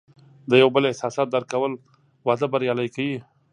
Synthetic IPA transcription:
d̪əjawbəlɪhsɑsɑt̪̚d̪aɾkawəl | wɑd̪əbaɾjɑlajkawi

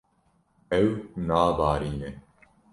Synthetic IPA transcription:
ɛwnaːvaːɾiːne

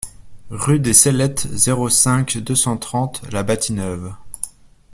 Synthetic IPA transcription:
ʁyd̪esɛlɛt̪zeʁosɛ̃kd̪øsɑ̃t̪χɑ̃t̪labat̪inœv

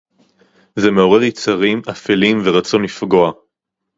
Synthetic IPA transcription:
zeme̞o̞ʁeʁjit͡saʁimafelimveʁat͡so̞nlifɡo̞a

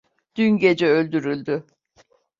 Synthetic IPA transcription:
d̪̥ynɟe̞d͡ʒɛølʲd̪yɾylʲd̪y

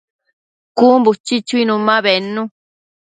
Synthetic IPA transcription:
kumbut͡ʃit͡ʃuinũmːãβenːũ

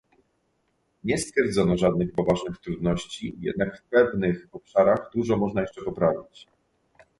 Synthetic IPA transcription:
ɲɛst̪fʲjɛɾd̪zɔnɔʐad̪̚nɘxpɔvaʐnɘxt̪ɾud̪nɔɕt͡ɕijɛ̰d̪nakfpɛvnɘxɔpʂaɾaɣd̪uʐɔmɔʐnajɛʂt͡ʂɛpɔpɾavʲit͡ɕ

